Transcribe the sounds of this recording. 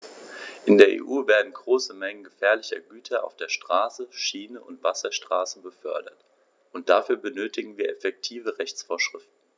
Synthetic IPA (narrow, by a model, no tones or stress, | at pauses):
ʔɪndeːɐʔḛːʔuːveːɐdn̩ɡʁoːsəmɛŋənɡəfɛːɐlɪçɐ̰ɡyːtʰɐʔa̰ʊfd̥eːɐʃtʁ̥aːsəʃiːnəʔʊntv̥asɐʃtʁ̥aːsəbəfœɐdɐ̰t | ʔʊnt̚d̥afyːɐbənøːtɪɡŋ̩viːɐʔɛfɛk̚tʰiːvəʁɛçt͡sfoːɐʃʁ̥ɪftn̩